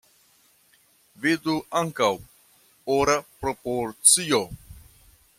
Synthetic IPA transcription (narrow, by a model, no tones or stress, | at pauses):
vid̪uaŋkaw | oɾapɾopoɾt͡sio